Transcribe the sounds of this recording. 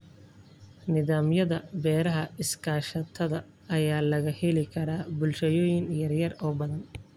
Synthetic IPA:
nɪðaːmjɐðɐbɛːɾɐɦɐɪskʰaːʃɐt̪ʰɐðɐ | ɐjaːlɐɣɐhɛlɪkʰɐɾaːbʊlʃɐjɔːjɪŋjɐrjɐrɔːbɐðɐn

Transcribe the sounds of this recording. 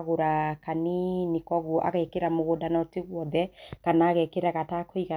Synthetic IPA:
ɣoɾakaninikɔɣɔʔa̰ɣɛkeɾamoɣodanateɣwɔðɛkanaːɣɛkeɾaɣatakoiɣa

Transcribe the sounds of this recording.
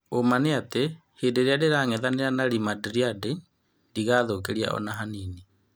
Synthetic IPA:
omaneate | hedeɾeadeɾaŋɛðaneɾanaɾimadɾiade | diɣaðokeɾia̰ɔ̰naɦaniːni

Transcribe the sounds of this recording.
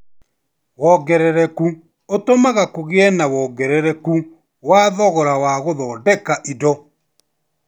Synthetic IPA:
wɔɡɛɾɛɾɛku | otomaɣakoɣeɛnawɔːɡɛɾɛɾɛku | waːðɔɣɔɾawaɣoðɔːdɛkaʔidɔ

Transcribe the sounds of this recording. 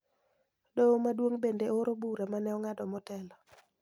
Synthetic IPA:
domadwoŋbendeoɾobuɾemanɛɔŋadɔmɔtɛlɔ

